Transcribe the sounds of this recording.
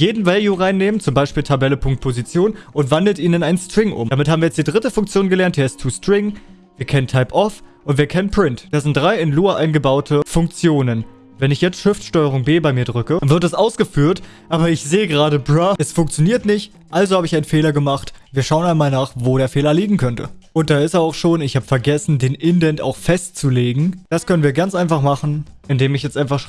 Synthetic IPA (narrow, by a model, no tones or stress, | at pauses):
jeːdn̩valjuʁaɪnːeːmənt͡sʊmbaɪʃpiːltʰabɛləpʰʊŋk̚t̚pʰozit͡sjoːnʔʊntv̥andl̩tʔiːnənaɪnənstʁ̥ɪŋʔʊ̰mdamɪthabm̩iɐjɛt͡std̥iːdʁɪtəfʊŋkt͡sjoːnɡəlɛɐnt̚d̥eːɐɪstʰːuːstʁ̥ɪŋ | viːɐkʰɛnəntʰaɪpʔɔfʔʊntv̥iːɐkʰɛnənpʁ̥ɪntd̥aːɐzɪntd̥ʁaɪɪnluːaʔaɪnɡəbaʊtʰəfʊŋk̚t͡sjoːnən | vɛnɪçjɛt͡stʃɪftʃtɔʏəʁ̞ʊŋbeːbaɪmiːɐdʁʏkəvɪɐtdɛsʔaʊsɡ̥əfyːɐtʔaːbɐɪçz̥eːəɡəʁaːɾəbʁaɛsfʊŋk̚t͡sjoniːɐtnɪçt | ʔalzohaːbəɪçaɪnnfeːlɐɡəmaχtviːɐʃaʊənaɪnmaːlnaːχvoːdeːɐfeːlɐliːɡŋ̩kʰœntʰə̰ʔʊnt̚d̥aːɪsɛaʊxʃoːnɪçhaːbə̥fɛɐɡɛsn̩deːnʔɪndɛnta̰ʊxfɛstt͡suleːɡŋ̩d̥askʰœnənviːɐɡant͡sʔaɪnfaχmaχn̩ʔɪndeːmɪçjɛt͡stʔaɪnfaχʃ